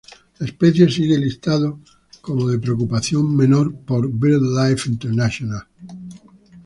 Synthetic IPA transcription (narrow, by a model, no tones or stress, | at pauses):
laespeθjes̬iɣelist̪aðo | ko̞moðe̞pɾeokupaθjommẽ̞noɾpo̞ɾbiɾðlajfint̪eɾnaʃjonal